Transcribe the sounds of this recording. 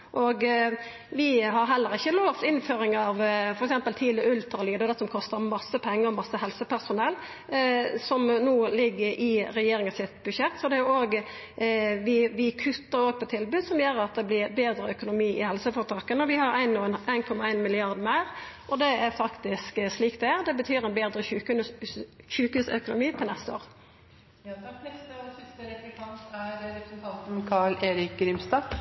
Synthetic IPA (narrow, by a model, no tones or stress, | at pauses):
ʔɔɡ | ʋɪɦɑɾɦɛlːəɾɪçːəloːʋt̪ɪnføːɾɪŋɑʋfɔɾɛksɛmpəlt̪ʰiːləʉlt̪ɾɑliːd̪əd̪ɛsɔmkʰɔst̪əɾmɑsːəpʰɛŋːəɾɔmɑsːəhɛlsəpʰæʁsʊnɛlː | sɔmnuːlɪɡːəɾʔɪɾɛjeːɾɪŋəsɪt̪bʉʃɛt̪ːsɔd̪ɛjʊoːɡ | ʋɪʋɪkʰʉt̪ːəɾoːɡ̚pʰɔt̪ʰɪlbʉːd̪sɔmjøːɾɑt̪̚d̪ɛblɪɾbeːd̪ɾəœkʊnʊmiːʔɪhɛlsəfɔʁt̪ʰɑːkənəɔʋɪhɑɾæɪnːunʔæɪnkʰɔmːɑæɪnmɪlɪɑɾd̪mæɪʁʔɔd̪ɛæɾfɑkt̪ɪsksliːkt̪ɛæʁd̪ɛbət̪ʰyːɾɛɪnbeːd̪ɾəʉ | ʃʉːkhʉsœkʊnʊmiːpʰɔnɛst̪əo̰ːʁ | t̪ʰɑt̪nɛst̪əɔsɪst̪əɾɛkt̪ʰɑnt̪æɾɾɛpɾəsɛnt̪ʰɑnt̪n̩kʰɑɭeːɾɪk̚ɾɪmst̪ɑ